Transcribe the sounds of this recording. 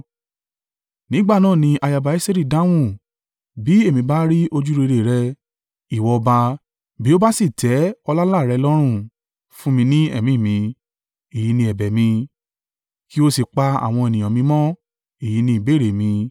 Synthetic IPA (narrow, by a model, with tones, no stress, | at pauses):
nĩ˨˦ɡ͡ba˦˨nãː˦˨nĩ˧ʔa˧ja˧ba˨i˦se˦ɾi˦˨dã˦w̃ũ˦˨ | bi˨˦e˦˨mĩ˧˦ba˦ɾi˦o˧d͡ʒu˦ɾe˧ɾe˨ɾɛ˧ | i˨wɔ˧ba˧ | bi˨˦o˦ba˦si˦˨tʰɛ˨˦ɔ˧la˦la˦˨ɾɛ˧lɔ˦ɾ̃ũ˦˨ | fũ˦mĩ˧nĩ˦ɛ̰˦˨mĩ˨˦˨mĩ˧ | e˨ji˨˧˦nĩ˧ɛ˨bɛ˨mĩ˧ | ki˦o˦si˨k͡pa˧a̰˨w̃ɔ̃˧e˨nĩ˨j̃ɔ̃˨mĩ˧mɔ̃˦ | e˨ji˨˦nĩ˧i˨be˦˨ɾe˨mĩ˧